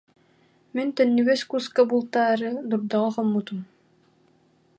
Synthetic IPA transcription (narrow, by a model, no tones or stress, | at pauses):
mint̪œnːyɡɛskuskabulˠt̪aːɾɯd̪uɾd̪aʁɯχɔmːut̪um